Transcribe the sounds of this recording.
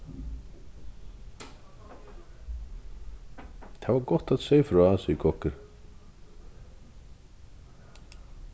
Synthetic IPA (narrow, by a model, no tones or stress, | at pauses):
θʰavaɾkɔht̪aðseːjfɾœaansʏikʰɔhkʏɾ̥